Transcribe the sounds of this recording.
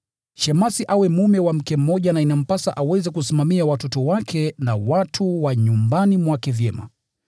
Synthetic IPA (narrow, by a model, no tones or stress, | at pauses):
ʃɛmasiʔawɛmumɛwam̩kɛm̩mɔʄanainam̩pasa̰ʔawɛzɛkusimamiawatɔtɔwakʰɛnawatʰuwaɲumbanimwakɛvjɛma̰